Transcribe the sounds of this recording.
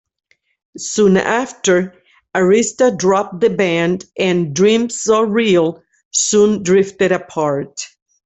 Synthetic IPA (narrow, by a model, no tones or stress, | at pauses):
sũnæftə˞ | əɹɪstədɹɑp̚ðɨbæ̃ndʔɨ̃ndɹĩmsoɹilˠ | sũndɹɪftɨɾɨpʰɑɹt